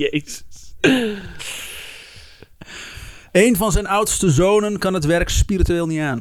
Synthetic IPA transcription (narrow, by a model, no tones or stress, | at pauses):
e | ejnvɑnzɛjnʌwtstəzownənkɑnɦətʋɛrkspiːrityʋeːlˠnitaːn